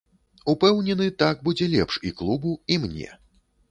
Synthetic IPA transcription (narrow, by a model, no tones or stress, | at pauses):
upɛwnʲɛnɨt̪aɡ̚bud͡zʲɛlʲɛpʂiklˠubuimnʲɛ̰